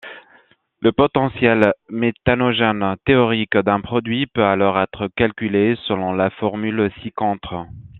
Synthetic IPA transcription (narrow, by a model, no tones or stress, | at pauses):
ləpɔt̪ɑ̃sjɛlmet̪anɔʒɛnt̪eɔʁikd̪ɛ̃pχɔd̪ɥipøalɔʁɛt̪χəkalkʲylesəlɔ̃lafɔʁmylsikɔ̃t̪χə